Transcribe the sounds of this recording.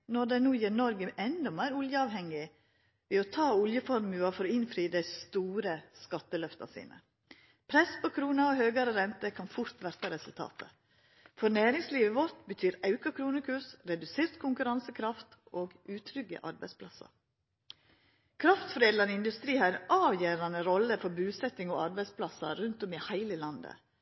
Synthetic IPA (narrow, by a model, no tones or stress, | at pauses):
nɔd̪ɛnuːjiːɾnɔɾɡəʔɛnd̪ɔmæɪɾʊljəɑːʋhɛŋːɪ | ʋɛːɔt̪ʰɑːʊljəfɔɾmʉːɑfɔɾɔɪnfɾiːd̪æɪst̪uːɾəskɑt̪ːəlœft̪ɑ̰sḭːnə̰ | pʰɾɛspɔkʰɾuːnɑɔhøːɡɑɾəɾɛnt̪əkʰɑnfʊɾt̪ʋæɾt̪ɑɾɛsʉlt̪ʰɑ̰ːt̪ə | fɔɾnæːɾɪŋsliːʋəʋɔɾt̪bət̪ʰyːɾɑʉkɑkʰɾuːnəkʰʉsɾɛd̪ʉseːɾt̪kʰʊŋkʉɾɑnsəkʰɾɑft̪oːɡʔʉːt̪ʰɾʏɡə̰ʔɑɾbæɪspʰlɑsɑ̰ | kʰɾɑft̪fɾeːd̪lɑnɪnd̪ʉst̪ɾiːhɑɾɛnʔɑːʋjeːɾɑnəɾɔlːəfɔɾbʉːsɛt̪ɪŋo̰ɑɾbæɪspʰlɑsɑ̰ɾʉnt̪ɔmɪhæɪləlɑnd̪ə̰